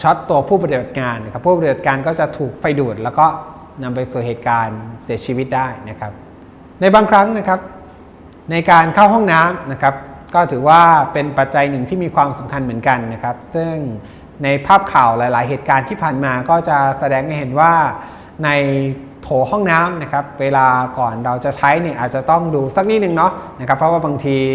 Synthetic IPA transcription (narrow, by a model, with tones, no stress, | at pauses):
t͡ɕʰɔ˦˥t̪ːu˧ɐpʰuː˥˩pa˧ɾi˨˩ba˨˩kaː˧na˦˥kʰa˦˥pʰːuː˥˩pa˧ɾi˩ba˨˩t̪̚kaː˧nkɔː˥˩t͡ɕa˨˩t̪ʰuː˨˩k̚fa˧jduː˨˩t̪̚lɛː˦˥wkɔː˥˩ | na˧mpa˧jsuː˨˩heː˨˩t̪̚kaː˧nsi˩˦ɐt͡ɕʰiː˧wi˦˥t̪̚daː˥˩jna˦˥kʰa˦˥p̚ | na˧jbaː˧ŋkʰɾa˦˥ŋna˦˥kʰa˦˥p̚ | na˧jkaː˧nkʰa˥˩wɦɔ˥˩ŋnaː˦˥mna˦˥kʰa˦˥p̚kɔː˥˩t̪ʰɯː˩˦waː˥˩pe˧npa˨˩t̪̚t͡ɕa˧jnɯ˨˩ŋt̪ʰiː˥˩miː˧kʰwaː˧msa˨˩˦mkʰa˧nmɯ˩˦ənka˧nːa˦˥kʰɾa˦˥p̚sɯ˥˩ŋ | na˧jpʰaː˥˩p̚kʰaː˨˩wlaː˨˦jlaː˩˦jɦeː˨˩t̪̚kaː˧nt̪ʰiː˥˩pʰaː˨˩nmaː˧kɔː˥˩t͡ɕa˨˩sa˧dɛː˧ŋa˧˩jɦe˨˩˦nwaː˥˩ | na˧j | t̪ʰoː˩˦hɔ˥˩ŋnaː˦˥mna˦˥kʰa˦˥p̚weː˧laː˧kɔː˨˩nɾa˧wt͡ɕa˨˩ʔt͡ɕʰa˦˥jniː˥˩ʔaː˨˩t̪̚t͡ɕa˨˩t̪ɔ˥˩ŋduː˧sa˨˩k̚niː˦˥˩nɯ˨˩ŋnɔ˦˥na˦˥kʰa˦˥pʰːɾɔ˦˥waː˥˩ba˧ŋt̪ʰiː˧